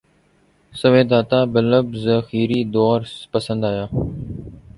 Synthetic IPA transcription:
səʋeːd̪aːt̪aːbələbzəxiːɾiːd̪oːɾpəsə̃nd̪aːjaː

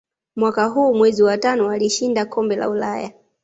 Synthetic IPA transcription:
mwakaɦuːmwɛziwatanɔwaliʃindakʰɔmbɛla̰ulaja

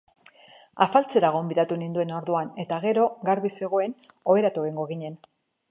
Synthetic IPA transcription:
afalt͡se̞ɾaɣ̞o̞mbiðat̪unind̪ue̞no̞ɾðuane̞t̪aɣ̞e̞ɾo̞ɣaɾβise̞ɣ̞o̞e̞n | o̞βe̞ɾat̪ueŋɡo̞ɣiɲe̞n

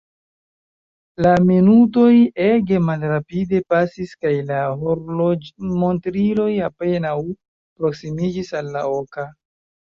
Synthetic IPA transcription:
laminuto̞je̞ɡe̞malɾapide̞pasiskajla | montɾilo̞jape̞naw | pɾo̞ksimid͡ʒisalːaoka

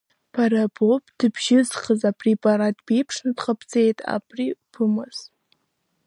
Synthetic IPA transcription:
pʰaɾabopʼd̥ɨbʒɪzχəzaprepʼaɾat̚ʼb̥ejpʰʂnɨdqʼapʰt͡se̞jtʼa̰bʰripʰɨmɨz̥

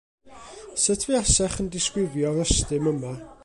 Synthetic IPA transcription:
sətʰviasɛχəndɪskwɪvjɔɾəstɨməma

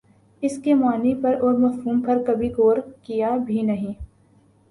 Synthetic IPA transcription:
ɪskemaːnipɐɾɔːɾmɐfɦuːmpɐɾkɐbʱikoːɾkijabʱinɐɦĩː

